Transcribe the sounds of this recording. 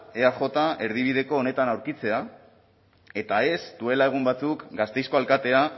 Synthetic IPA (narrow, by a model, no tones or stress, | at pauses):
e̞axo̞t̪aʔe̞ɾð̞iβ̞iðe̞ko̞ːne̞t̪anawɾkit͡se̞a | e̞t̪ae̞sd̪̥ue̞lae̞ɣ̞umbat͡sukɡast̪e̞jsko̞alkat̪e̞a